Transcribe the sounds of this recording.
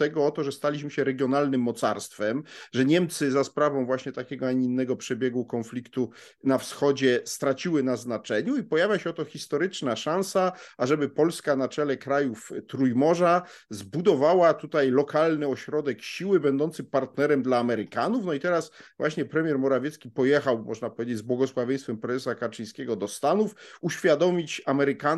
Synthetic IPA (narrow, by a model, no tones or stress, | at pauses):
t̪ɛɡɔɔt̪ɔʐɛst̪alʲiɕmɘɕɛɾɛɡʲjɔnalnɘmːɔt̪sa̰ɾst̪fɛmʐɛɲɛmt̪sɘzaspɾavɔ̃w̃vwaɕɲɛt̪akʲɛɡɔaɲinːɛɡɔpʂɛbʲjɛɡwukɔnflʲikt̪u | nafsxɔd͡ʑɛst̪ɾat͡ɕiwɘnaznat͡ʂɛɲuipɔjavʲjaɕɛɔt̪ɔxʲist̪ɔɾɘt͡ʂnaʂãnsaaʐɛbɘpɔlskanat͡ʂɛlɛkɾajuft̪ɾujmɔʐa | zbud̪ɔvawat̪ut̪ajlɔkalnɘɔɕɾɔd̪ɛkɕiwɘbɛnd̪ɔnt̪sɘpaɾt̪nɛɾɛmd̪laːmɛɾɘkanufnɔit̪ɛɾasvwʔaɕɲɛpɾɛmʲjɛɾmɔɾavʲjɛt̪skʲipɔjɛxawmɔ̰ʐnapɔvʲjed͡ʑed͡ʑʲzbwɔɡɔswavʲjɛ̃j̃st̪fɛmpɾɛzɛsakat͡ʂɨj̃skʲɛɡɔd̪ɔst̪anufuɕfʲjad̪ɔmʲit͡ɕamɛɾɘka